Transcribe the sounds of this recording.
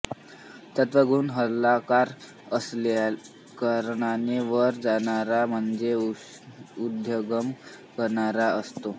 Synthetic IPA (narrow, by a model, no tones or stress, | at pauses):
t̪ət̪ʋəɡʱuːnɦəlːakaɾ | əsl | kəɾɳaneʋəɾd͡zaɳaɾam̤əɳd͡ze | ud̪joɡəm | kəɾɳaɾaəst̪o